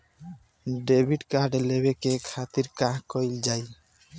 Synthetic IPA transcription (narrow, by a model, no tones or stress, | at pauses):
ɖebʱiɖkaɾɖlebekekʰat̪iɾkãɦkojld͡ʑaj